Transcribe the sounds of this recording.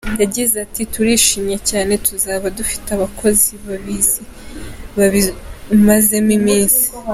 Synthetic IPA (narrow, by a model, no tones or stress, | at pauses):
jaɟizatituɾiːʃiːmɲecaːne̞tuzaːβadufi̥taβakʰo̞ziβaβiziβaβimaze̞mimiːnsi̥